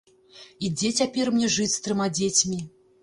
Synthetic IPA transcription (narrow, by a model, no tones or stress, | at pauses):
id͡zʲet͡sʲapʲɛrmnʲɛʐɨt͡sʲst̪ɾɨmad͡zʲet͡sʲmʲi